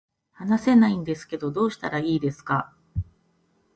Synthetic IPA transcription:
hanase̞naĩnd̪e̞sɨ̥ke̞d̪o̞d̪o̞ːɕi̥t̪aɾaiːd̪e̞sɨ̥ka

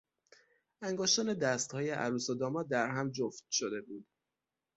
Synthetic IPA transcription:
æŋɡoːʃt̪ɒːne̞d̪æst̪hɒːjeʔæ̰ɾuːsod̪ɒːmɒːd̪æɾɦæmd͡ʒoft̪̚ʃod̪e̞buːd̪̥

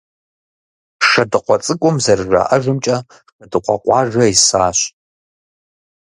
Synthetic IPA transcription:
ʂɐdɨqʷɔt͡sʼɨkʷʼɔmzɐrʒʷa̰ʔɐʒɨmt͡ʃʼɐ | qɐdɨqʷɔqʷɑːʒɐisaːɕ

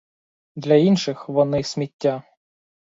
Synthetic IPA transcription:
d̪lʲɐinʃɪxʋɔnɪsʲmʲitʲːa

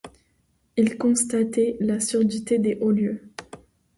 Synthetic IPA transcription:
ilkɔ̃st̪at̪ɛlasyʁd̪it̪ed̪eʔoljø

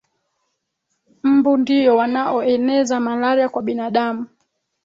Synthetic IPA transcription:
m̩bundijɔwanaʔɔɛnɛzamalaɾiakwaɓinaɗamu

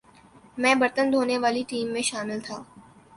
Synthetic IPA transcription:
mɛ̃ːbɐɾt̪ənd̪ʱoːneʋaːliʈiːmːẽʃaːmɪlt̪ʰaː

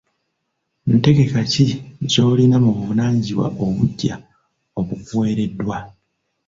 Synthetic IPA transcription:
nte̞ɡe̞kacico̞ːlinamuβuunaːɲɟiwa̰ʔoβuɟːa | o̞βukuwe̞ːɾe̞dːwa

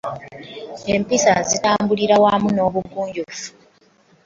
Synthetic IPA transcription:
empisazitaːmbuliɾawamuno̞ːβuɡuːɲɟufu

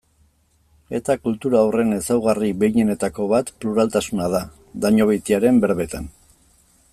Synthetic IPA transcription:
e̞t̪akult̪uɾawre̞ne̞sawɣ̞ariβe̞iɲe̞ne̞t̪ako̞βat̪pluɾalt̪asunaða | d̪aɲoβ̞ejt̪iaɾe̞mbe̞ɾβe̞t̪an

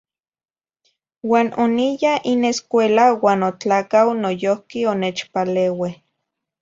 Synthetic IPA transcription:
waːnʔonijaineskʷeːlawaːnot͡ɬaːkawnojohkioneːt͡ʃpaleːweh

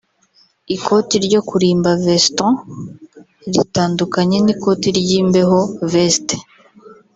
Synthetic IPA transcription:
ikʰo̞tiɾɟo̞kuɾiːmbavestɔ̃ | ɾḭtaːndukaɲe̞niko̞ːtiɾɟiːmbe̞ɦo̞veste̥

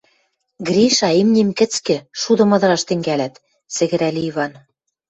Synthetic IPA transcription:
ɡrʲiʃɑimnʲimkɘ̆t͡skɘ̆ʃud̪ɤ̆mɤ̆d̪ɤ̆ɾɑʃt̪ɘ̆ŋɡælæt̪ | t͡sɘ̆ɣɘ̆ɾælʲiiβɑn

